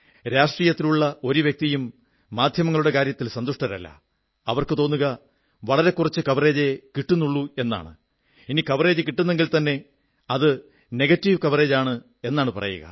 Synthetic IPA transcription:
ɾaːʂʈriːjɐt̪ːiluɭːɐo̞ɾuʋjek̚t̪ijumː | aːd̪ʱjɐmɐŋːɐɭuɽe̞kaːɾjɐt̪ːilsɐnd̪uʂʈɐɾɐ̰lːɐ̰ | ɐʋɐrkɨt̪o̞ːnːuɣɐ | ʋɐɭɐɾe̞kːurɐt͡ɕːɨkɐʋɐre̞ːd͡ʑekiʈːunːuɭːue̞nːa̰ːɳɨ̰ | inikɐʋɐre̞ːd͡ʑɨkiʈːunːe̞ŋɡilt̪ɐnːe̞ | ɐðɨ | ne̞ɡɐtːiʋkɐʋɐre̞ːd͡ʑaːɳɨ | e̞nːaːɳɨpɐ̰rʔɐ̰jṵɣɐ̰

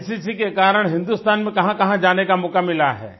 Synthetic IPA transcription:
sisikekaːɾəɽ̃ɦɪ̃nd̪ust̪aːnmẽkɐɦãkɐɦãd͡ʒaːnekamʊkamːɪlaɦɛ̰ː

